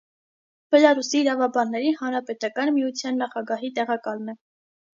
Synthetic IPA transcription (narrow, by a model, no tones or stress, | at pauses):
b̥ɛlɑɾusiːɾɑvɑbɑnːɛɾihɑnɾɑpɛt̪ɑkɑnmijut͡sʰjɑnːɑχɑɡɑɦit̪ɛʁɑkɑlnɛ